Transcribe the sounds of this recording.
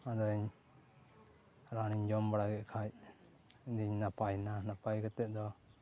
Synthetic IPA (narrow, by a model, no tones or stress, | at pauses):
ad̪ɔɲ | ɾaniɲd͡ʒɔmbaɽaɡɛʔkʰaj | d̪iɲnapajnanapajɡɛt̪ɛʔd̪ɔ